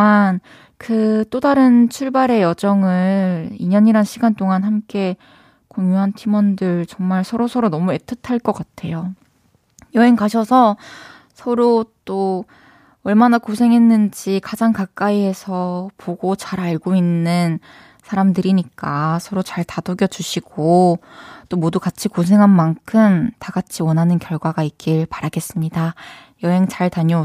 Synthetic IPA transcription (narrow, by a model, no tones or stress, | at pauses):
an | kɯt͈odaɾɯnt͡ɕʰuɭbaɾe̞jʌd͡ʑʌŋɯiɲʌɲiɾanɕʰiɡant͈oŋanhamk͈e̞ | koŋjuɦantʰimʌndɯɭt͡ɕʌŋmaɭsʰʌɾosʰʌɾonʌmue̞tʰɯtʰaɭk͈ʌk͈atʰe̞jo | jʌenkaɕʰʌsʰʌ | sʰʌɾot͈o | ʌɭmanakosʰe̞ŋɦe̞nːɯnd͡ʑikad͡ʑaŋkak͈aiɦe̞sʰʌpʰoɡot͡ɕaɾaɭɡoinːɯn | sʰaɾamdɯɾiɲik͈asʰʌɾot͡ɕaɭtadoɡjʌd͡ʑuɕʰiɡ̥o | t͈omodukat͡ɕʰikosʰe̞ŋɦanmankʰɯmtaɡat͡ɕʰiwʌnɦanɯnkjʌɭɡwaɡaik̚k͈iɭpaɾaɡe̞s͈ɯmɲidajʌɦe̞ŋt͡ɕaɭtaɲʌ